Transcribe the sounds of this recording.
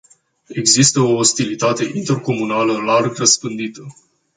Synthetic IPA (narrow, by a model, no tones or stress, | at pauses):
e̞ɡzist̪əoːst̪ilit̪at̪e̞ʔint̪e̞rko̞munaləlarɡrəspɨnd̪it̪ə